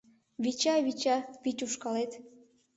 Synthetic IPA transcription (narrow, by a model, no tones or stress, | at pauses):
βit͡ɕɑβit͡ɕɑpitʲuʃkɑlet̪